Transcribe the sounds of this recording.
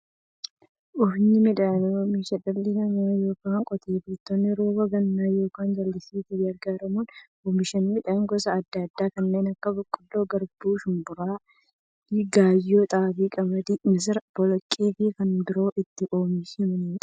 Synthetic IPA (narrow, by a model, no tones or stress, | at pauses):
ʔʊfɲɪmɪᶑɐnɔmɪʃɐᶑɐlːɪnɐmajo̞ːkaːŋkʼɔt̪eːbɪɪt̪ːonːɪɾoːɡɐɡɐnːaːjo̞ːkaːnd͡ʒɐlːɪsiːt̪ɪɡɐɾɡaːɾɐmuːn | oːmɪʃɐnmɪᶑɐŋɡɔsɐːd̪ːɐd̪ːaːkɐnːe̞ːnɐkːɐbɔkʼːʊlːoːɡɐɾbuːʃʊmbʊɾaː | iɡaːjːoːt̪ʼaːfikʼɐmɐd̪ɪmɪs̬ɪɾb̥ɔlɔkʼːe̞ːfɪkɐnbɪɾo̞ːʔɪt̪ːɪʔoːmɪʃɪmɐniːᶑɐ̥